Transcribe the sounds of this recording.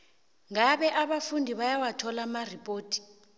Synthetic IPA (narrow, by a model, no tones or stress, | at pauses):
ŋaɓɛʔaɓafundʱiɓajawatʰɔlamaripʼoːtʰʼi̥